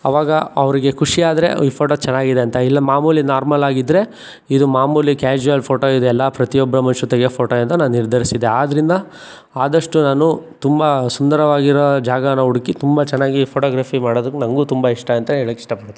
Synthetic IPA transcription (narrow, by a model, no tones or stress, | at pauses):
ɐ̰ʋaːɡɐɐʋɐɾiɡe̞kʰuʂiaːd̪ɐɾe̞̰iːpʰoːʈoːt͡ʃɛnːaːɡid̪eɐnt̪ɐilːɐmaːmuːlinaːɾmɐlaːɡid̪ːɾe̞ | id̪umaːmuːlikaːd͡ʒuʋɐlpʰoːʈoːid̪uɛlːɐpɾɐt̪ijɔbːɐɾɐmɐnʃut̪ɐɡepʰoːʈoɐnt̪ɐnaːnuniɾd̪ʱɐɾisid̪e̞aːd̪ɐɾind̪ɐ | aːd̪ɐʂʈunaːnut̪umbɐsund̪ɐɾɐʋaːɡiɾod͡ʒaːɡɐnɐuɽukit̪umbɐt͡ʃɛnːaːɡipʰoːʈoːɡɾaːpʰimaːɽoːd̪ukːenɐŋɡuːt̪umbɐiʂʈɐɐnt̪ɐɦeːɭiki̥ʂʈɐpɐɽɐt̪ːe